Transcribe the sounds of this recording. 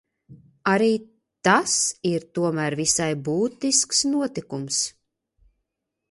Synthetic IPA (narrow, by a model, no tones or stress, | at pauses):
aɾiː | t̪asiɾt̪uɔmæːɾvisajbuːt̪isksnuɔt̪ikums